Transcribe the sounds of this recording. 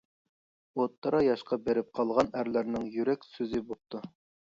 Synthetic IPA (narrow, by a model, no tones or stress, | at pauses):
ot̪ʰːɑɾɑjɑʃqɑbeɾɪp̚qʰɑlˠʁɑnæɾlæɾnɪŋjyɾɛkʲsøzɪbop̚t̪ʰu